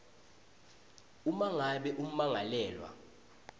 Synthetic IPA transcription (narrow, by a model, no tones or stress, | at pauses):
umaŋaɓɛʔum̩maŋalɛːlwa̰